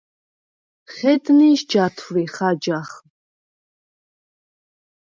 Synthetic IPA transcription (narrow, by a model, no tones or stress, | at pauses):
χɛd̪niʃd͡ʒat̪ʰɾiχad͡ʒaχ